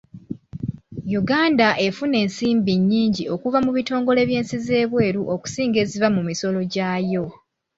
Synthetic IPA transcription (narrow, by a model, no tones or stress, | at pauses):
juɡaːndaʔe̞fune̞ːnsiːmbiɲːiːɲɟio̞kuvamuβito̞ːŋɡo̞le̞ːβje̞ːnsize̞ːβwe̞ːɾuʔo̞ku̥siːŋɡe̞ːzivamumiso̞lo̞ɟaːjo̞